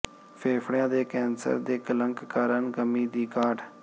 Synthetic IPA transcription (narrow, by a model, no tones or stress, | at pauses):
fʰeːfʰɽjãːd̪eːkɛːnsə̰ɾd̪eːkələ̃ŋkkaːɾənɡəmiːd̪iːkaːɖ